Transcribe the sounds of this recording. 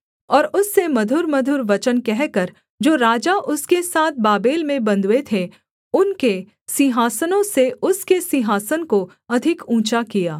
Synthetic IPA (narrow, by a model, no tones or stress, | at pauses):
ɔːɾʊsːemɐd̪ʱʊɾmɐd̪ʱʊɾʋɐt͡ʃənkɛɦkɐɾ | d͡ʒoːɾaːd͡ʒaʔʊskesaːt̪̚ʰbaːbeːlmẽbɐ̃nd̪ʱwet̪ʰe | ʊnke | sɪɦaːsənõseʊskesɪɦaːsənko | ɐd̪ʱɪkũːt͡ʃakijaː